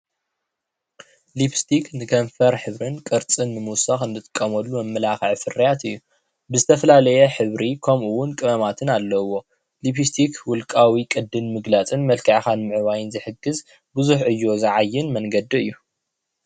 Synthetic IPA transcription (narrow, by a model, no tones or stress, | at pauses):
lipst̪ʰiknɨkʰɐɱfɐɾħɨβɾɨnkʼɨɾt͡sʼɨnːɨmuwsaxɨnd̪ɨt̪ʼɨ̥kʼːɐmɐlːumɐmːɐlaxʕfɨrijat̪ɨjːu | bɨzɨt̪ʰɐfɐlalɐjɛħɨβɾikʰɐmuwʊnkʼɨβɐmat̪ʰɨnalːɐwo̞ | lipist̪ʰikʰwʊlkʼawikʼɨd̪ːɨnmɨɡlat͡sʼɨnmɐlkʰɐʕxanmɨʕɨβajɨnzɨħɨɡɨz | bɨzuħʔɨjːo̞zɐʕajːɪnmɐŋɡɐd̪iɨjːu